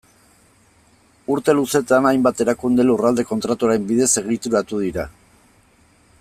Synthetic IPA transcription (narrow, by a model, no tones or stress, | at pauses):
uɾt̪e̞luse̞t̪anajmbat̪e̞ɾakund̪elurald̪e̞ko̞nt̪ɾat̪uaɾe̞mbiðe̞se̞ɣ̞it̪uɾat̪uðiɾa